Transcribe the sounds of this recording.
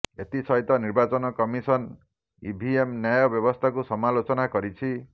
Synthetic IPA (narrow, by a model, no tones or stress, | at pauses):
et̪isɔjt̪ɔniɾbat͡ʃɔnɔkɔmisɔn | ḭbʱiemnjajɔbjɔbɔst̪ʰakusɔmalot͡ʃɔnakɔɾit͡ʃʰi